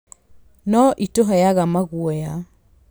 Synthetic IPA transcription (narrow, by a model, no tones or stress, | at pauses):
nɔʔitoɦɔjaɣamaɣwɔja